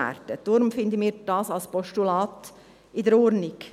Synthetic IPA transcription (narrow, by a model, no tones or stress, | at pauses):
æ̰ɾt̪əd̥oːɾʊmfɪnd̪əmiːɾd̥ɑːsɑlspɔʃtulɑːt̪ | id̪ɛɾoːɾnɪk